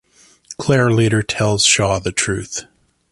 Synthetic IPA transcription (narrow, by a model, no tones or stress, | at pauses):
kʰl̥ɛɹleɾə˞tʰɛlˠz̥ʃɔðɨtʰɹ̥ʉθ